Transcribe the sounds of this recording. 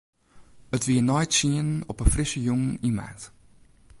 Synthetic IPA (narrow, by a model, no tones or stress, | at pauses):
ətʋiənɔjtsiənnɔpəfrɪsəjɔŋəima̰nt